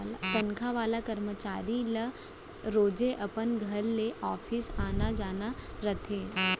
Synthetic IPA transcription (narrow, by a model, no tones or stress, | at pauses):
lt̪ənkʰaʋaːlakəɾmət͡ʃaːɾila | ɾoːd͡ʒeʔəpənɡʱəɾːeʔɔːfʰisaːnad͡ʒaːnaɾət̪ʰeː